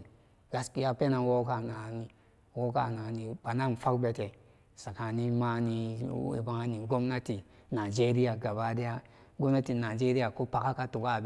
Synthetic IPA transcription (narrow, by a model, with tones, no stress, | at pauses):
ɡa˨ski˦ja˦pe˦na˨wo˦ka˦˨na˨ni˦ | wo˦ka˦˨na˨ni˨ba˨na˦˨m˨fa˦kbe˨te˨ | sa˨ka˨ni˦ma˦ni˨˦ḭ˨ba˨˦ŋa˦ni˨ɡo˦mna˦ti˨ | na˨d͡ʒe˦ɾi˦ja˨ɡa˨ba˦de˦ja˦ɡo˦mna˦ti˨na˨d͡ʒe˦ɾi˦ja˨ko˦pa˨ka˦ka˦tu˨ɡa˦˨b